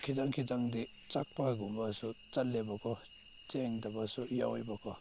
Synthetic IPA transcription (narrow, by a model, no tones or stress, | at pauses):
kʰidaŋkʰid̪aŋd̪i | t͡sak̚paɡumbasut͡salːebakʰɔ | t͡seŋd̪abasuja̰wjbakʰɔ